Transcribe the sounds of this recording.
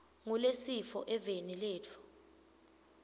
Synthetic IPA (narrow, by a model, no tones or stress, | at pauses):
ŋulesifɔʔɛvenileːtʰu̥